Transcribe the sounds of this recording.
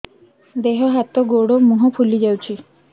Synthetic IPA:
d̪eɦɔɦat̪ɔɡoɽomuɦɔpʰulid͡ʒawt͡ʃʰi

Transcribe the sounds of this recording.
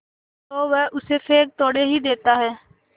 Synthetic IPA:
t̪oːʋɛʔʊsefʰeːk̚t̪ɔːɽeɦid̪eːt̪aɦɛː

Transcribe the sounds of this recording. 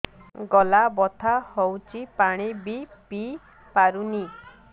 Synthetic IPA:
ɡɔlabɔt̪ʰahowt͡ʃʰipaɽ̃ibipi | paɾuni

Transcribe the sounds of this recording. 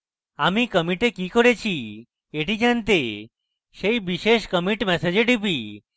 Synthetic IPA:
amikəmiʈekikɔɽet͡ɕʰi | eʈid͡ʒant̪e | ʃejbiʃeʃkəmiʈmɛsed͡ʑeʈipi

